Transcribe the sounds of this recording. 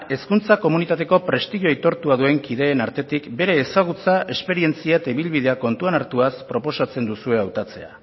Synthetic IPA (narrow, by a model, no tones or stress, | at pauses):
e̞skunt͡sako̞munit̪at̪e̞ko̞pɾe̞st̪iɣjoejt̪o̞ɾt̪uað̞ue̞ŋkiðe̞ːnaɾt̪e̞t̪ikbe̞ɾe̞ːsaɣ̞ut͡saʔe̞spe̞ɾie̞nt͡siat̪aiβilβið̞e̞ako̞nt̪uanaɾt̪uaspɾo̞po̞sat͡se̞nd̪usue̞awt̪at͡se̞a̰